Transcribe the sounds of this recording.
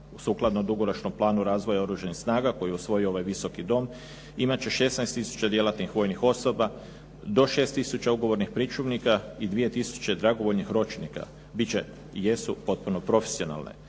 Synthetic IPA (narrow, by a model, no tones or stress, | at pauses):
usuːklˠad̪nod̪uɡo̞ɾot͡ʃnomplˠaːnuɾaːzʋo̞jao̞ɾuːʒanixsnaːɡako̞jiɛusʋo̞jioo̞ʋajʋiso̞kid̪o̞m | imat͡ɕe̞ʃe̞snajst̪isu̥t͡ɕad̪je̞lat̪nixʋo̞ːjnixo̞so̞ba | d̪o̞ʃe̞ːst̪isut͡ɕauɡo̞ʋoɾnixpɾit͡ʃuʋnikaid̪ʋije̞t̪isu̥t͡ɕed̪ɾaɡo̞ʋo̞ʎnixɾo̞t͡ʃnika̰ | bit͡ɕe̞ | je̞supo̞t̪̚puno̞pɾo̞fe̥sio̞na̰ːlˠnḛ